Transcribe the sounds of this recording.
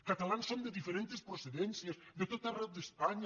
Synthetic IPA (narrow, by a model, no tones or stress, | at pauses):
kət̪əlansond̪əðifəɾent̪espɾuseðɛnsiəzðət̪ot̪ərɛwd̪əspaɲ